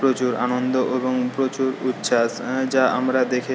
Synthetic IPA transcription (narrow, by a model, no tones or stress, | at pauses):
pɾot͡ɕuɾa̰nond̪oʔeboŋpɾot͡ɕuɾut̪ːʃasd͡ʑaamɾad̪ekʰi